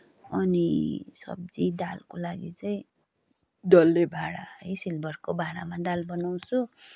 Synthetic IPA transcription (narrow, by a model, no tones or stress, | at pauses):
ʌnisʌ̰b̚d͡zid̪alkolaɡit͡sʌĩ | d̪ʌlːebʱaɽaʌjsilbʱʌrkobʱaɽamad̪albʌnaw̃t͡sʰu